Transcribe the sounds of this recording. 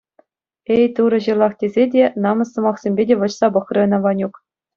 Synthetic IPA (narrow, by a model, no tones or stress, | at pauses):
ejt̪uɾɤ̆ʑɯ̆lˠɑχtʲezʲedʲenɑmɤ̆sɤ̆mɑχsʲemʲbʲedʲeʋɤ̆t͡ɕsɑbɤ̆χrʲɤ̆ɤ̆nɑʋɑnʲuk